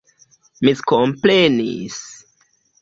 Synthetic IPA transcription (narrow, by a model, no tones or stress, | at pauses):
miskomplenḭs